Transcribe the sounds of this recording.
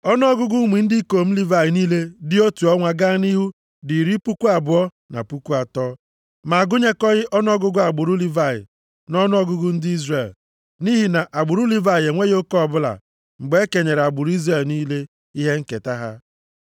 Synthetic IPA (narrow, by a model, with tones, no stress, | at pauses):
ɔ˦n˦ɔ˦ɡʊ˦ɡʊ˦mi˨n̩˦di˦ko˨m̩˦li˦va˨ɪ˨niː˦le˦dɪ˦o˦tu˨ɔ˦ŋʷa˨ɡa˦ni˦ɦu˦ | di˨ɾi˦pu˦ku˦a˨bʊ˨ɔ˦ | na̰˨pu˦ku˦a˨tɔː˦ | ma˨a˨ɡʊ˦ɲe˦kɔ˦ɣɪ˦ʔɔ˦n˦ɔ˦ɡʊ˦ɡʊ˦a˨ɡ͡bʊ˨ɾu˦li˦va˦˨jɪ̰˨ | nɔ˦n˦ɔ˦ɡʊ˦ɡʊ˦n̩˦dɪ˦i˦zre˨l | ni˦ɦi˨na˨ʔa˨ɡ͡bʊ˨ɾu˦li˦va˨je˨ŋʷe˦jo˦kɔ˦˨bʊ˦la̰˨ | ŋ͡m̩˨ɡ͡be˦e˦ke˨ɲe˨ɾa˨ɡ͡bʊ˨ɾi˦zɾe˨lniː˦le˦ | i˦ɦe˦ŋ̩˦ke˨ta˦ɦa̰˦